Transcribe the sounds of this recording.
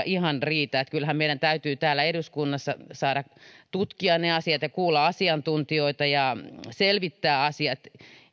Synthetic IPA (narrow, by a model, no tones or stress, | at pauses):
ʔihɑnriːt̪æːt̪kylhæmmeiɾænt̪æyt̪yːt̪æːlːˑæeduskunːɑsːɑ̰sɑːɾɑt̪ut̪kiɑneɑsiɑt̪jɑkuːlːɑɑsiɑnt̪unt̪ioit̪ɑjɑselʋit̪ːæːɑsiɑt̪